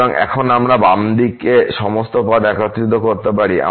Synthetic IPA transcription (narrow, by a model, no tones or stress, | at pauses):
oŋʔɛ̰kʰonamɾabamd̪ikeʃɔmost̪opad̪ɛkʰot̪ːɾit̪ːokoɾt̪epaɾiʔa̰